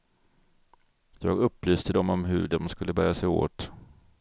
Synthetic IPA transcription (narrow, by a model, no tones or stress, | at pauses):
jɑːɡɵpːlyːst̪əd̪ɔmɔmɦɵ̰ɖɔmskɵlːəbæːɾjasɛjo̰ːt̪